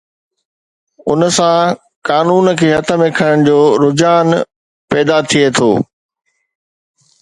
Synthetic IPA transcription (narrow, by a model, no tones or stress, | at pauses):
ʊ̰nəsã | kaːnuːnkʰeːɦɐt̪ʰə̆mẽkʰəɽəɽ̃d͡ʑoːɾʊd͡ʑaːn | pɛːd̪at̪ʰiet̪ʰo̰ː